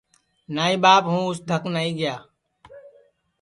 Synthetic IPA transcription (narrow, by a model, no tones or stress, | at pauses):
naːĩːbaːpɦũːʊsd̪ʱəknaːĩːɡɪjaː